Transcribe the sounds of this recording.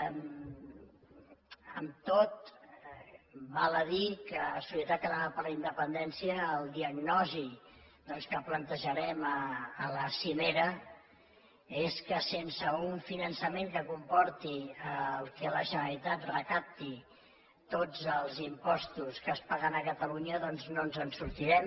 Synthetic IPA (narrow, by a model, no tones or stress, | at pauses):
əmt̪ot̪ | baləðikəsusjiət̪at̪̚kəðaɾapəɾləind̪əpənd̪ɛnsiəːlˠd̪iəɡnɔzi | d̪ɔnskəplənt̪əʒəɾɛməːləsimeɾə | eskəsensəuɱfinənsəmeŋkəkumpɔɾt̪iəlˠkɛləʒənəɾit̪at̪rəkap̚t̪i | t̪od͡zəlˠzimpɔst̪uskəspaɣənəkət̪əluɲəðɔnznonzənsuɾt̪iɾɛm